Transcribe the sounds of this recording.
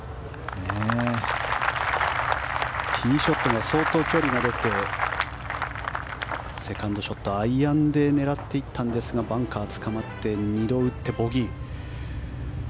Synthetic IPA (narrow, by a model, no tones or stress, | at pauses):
ne | t̪ʲʰiːɕo̞t̪ːoŋaso̞ːt̪o̞ːkʲo̞ːɾʲiɡad̪e̞t̪e̞ | se̞kãnd̪o̞ɕo̞t̪ːo̞aiãnd̪e̞ne̞ɾat̪ːe̞it̪ːãnd̪e̞sɨɡabãŋkaːt͡sɨ̥kamat̪ːe̞ɲ̟id̪o̞ɯ̟t̪ːe̞bo̞ɡʲi